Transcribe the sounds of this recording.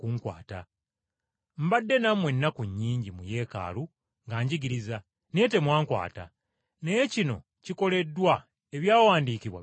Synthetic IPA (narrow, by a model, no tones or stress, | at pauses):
kuŋkwa̰ːta | m̩badːe̞namwe̞nːakuɲːiːɲɟimuje̞ːka̰ːlu | ŋɡaɲɟiɡiɾiza | ne̞ːte̞mwaːŋkwa̰ːta | nejecino̞ | ciko̞le̞dːwa | e̞βjaːwaːndiːciβwa̰